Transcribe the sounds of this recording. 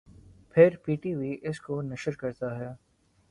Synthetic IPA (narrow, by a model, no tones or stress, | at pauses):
pʰɪɾpiːʈiːʋiʔɪskonɐʃəɾkɐɾt̪aɦɛjaː